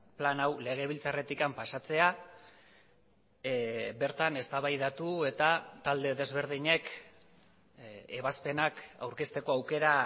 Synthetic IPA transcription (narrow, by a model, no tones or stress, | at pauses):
planawle̞ɣ̞e̞β̞ilt͡sare̞t̪ikampasat͡se̞a | be̞ɾt̪ane̞st̪aβajð̞at̪ue̞t̪at̪ald̪e̞ðe̞zβ̞e̞ɾð̞iɲe̞k | eβaspe̞naka̰wɾke̞st̪e̞ko̞awke̞ɾa